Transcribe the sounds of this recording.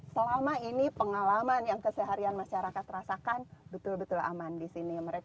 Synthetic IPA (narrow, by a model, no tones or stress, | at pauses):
səlamainipəŋalamanjaŋkəsəɦaɾianmaʃaɾakat̪rasakanbət̪ʊlbət̪ʊla̰mandisiniməɾek